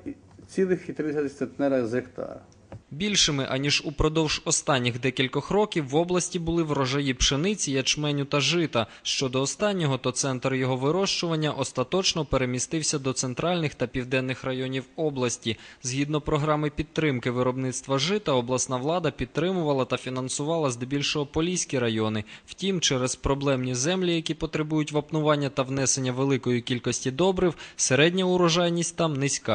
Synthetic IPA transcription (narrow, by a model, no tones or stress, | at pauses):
t͡sʲilˠɪxit̪ɾɪsʲɐt̪ɪset̪nɛɾɐzekt̪a̰ɾ | bʲilʲʃɪmɪʔɐnʲiʒupɾɔd̪ɔwʒ̥ɔst̪ɑnʲːixd̪ɛkʲilʲkɔxɾɔkʲiwːɔblˠɐsʲtʲiwbʊlˠɪʋɾɔʒɐjipʃenɪt͡sʲijɐt͡ʃmɛnʲʊt̪ɐʒɪt̪ɐ | ʃt͡ʃɔd̪ɔːst̪ɑnʲːɔɦɔt̪ɔt̪sɛnt̪rjɔɦɔʋɪɾɔʃt͡ʃʊʋɐnʲːɐʔɔst̪ɐt̪ɔt͡ʃnɔpeɾemʲist̪ɪwsʲɐd̪ɔt̪sent̪ɾɑlʲnɪxt̪ɐpʲiwd̪ɛnːɪxrɐjɔnʲiwɔblˠɐsʲtʲizɦid̪nɔpɾɔɦɾɑmɪpʲit̪ːɾɪmkɪʋɪɾɔbnɪt̪st̪ʋɐʒɪt̪ɐɔblˠɐsnɑʋlˠɑd̪ɐpʲit̪̚t̪ːɾɪmʊʋɐlˠɐt̪ɐfʲinɐnsʊʋɑlˠɐzd̪ɪbʲilʲʃɔɦɔpɔlʲisʲkʲiɾɐjɔnɪwtʲimt͡ʃɛɾɛzpɾɔblˠɛmnʲizɛmlʲijɐkʲipɔt̪ɾebujʊtʲʋɐpnʊʋɑnʲːɐt̪ɐwnɛsenʲːɐʋelˠɪkɔjikʲilʲkɔsʲtʲid̪ɔbɾɪwseɾɛdʲnʲɐʊɾɔʒɑjnʲisʲtʲt̪ɑmnɪsʲkɑ